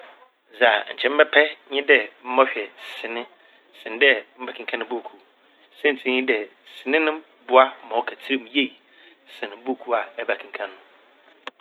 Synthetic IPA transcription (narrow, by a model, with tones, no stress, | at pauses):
za˨ɲ̩˨t͡ɕʰɛ̃˦m̩˦bɛ˦pʰɛ˦ɲɪ̃˦dɛ˨m̩˦mɔ̃˦ɕᶣɛ˨sɪ̃˨nɪ̃˦ | sɪ̃˨n˦dɛ˦m̩˦ba˦kʰɪ̃˨ŋ˦kʰã˦nɪ̃˨bu˦˨kʰu˨ | sɛ̃˦n˨tʰi˦ɲɪ̃˦dɛ˨sɪ˨nɪ̃˦nɪ̃˦m | bʊ˦a˦mɔ̃˨˦kʰa˨tʰɪ˦ɾɪ˦˨mje˦˨ | sɪ̃˨nɪ̃˨bu˦˨kʰu˦a˨ɛ˦ba˨kʰĩ˨ŋ˦kʰã˦nʊ̃˨